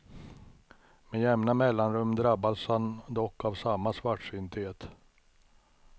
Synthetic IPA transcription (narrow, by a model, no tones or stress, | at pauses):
mɛjɛmnamɛlːanɾɵmːd̪ɾabːashand̪ɔkːavsamːasvaʈʂʏnt̪eːt̪